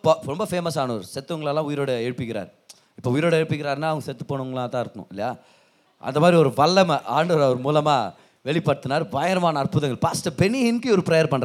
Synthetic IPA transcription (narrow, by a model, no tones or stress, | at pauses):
pːoɾɔmbɐfeːmɐsaːnɐɔɾɯsɛt̪ːɯʋɐŋɡɐɭɛlːãːʊjɪɾoːɽɐeːɻɯpɪkːɪɾa̰ːɾ | ɪpːoːʊjɪɾoːɽɐeːɻpːɪkːɪɾaːɾnaːɐʋɐŋɡɐsɛt̪ːɯpːoːɳɯʋɐŋɡɐɭãːt̪ãːɪɾɯkːɐnʊ̰̃ɪlːɐjaː | ʔɐ̰nd̪ɐmaːd̪ɾiɔɾɯʋɐɭːɐmɐʔaːɳɖɐʋɐɾɐʋɐɾɯmuːlɐmaː | ʋɛɭɪpːɐɽɯt̪ːɯnaːɾʋɐjɐɾɐmaːnɐːɾpʊðɐŋɡɐɭpaːsʈɐbɛniɦɪnkiɔɾɯpɪɾɐjɐɾpɐɳːɾ